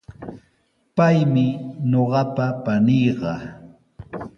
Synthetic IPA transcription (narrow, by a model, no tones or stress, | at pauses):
pajmɪɲoɢɑpapanijɢɑ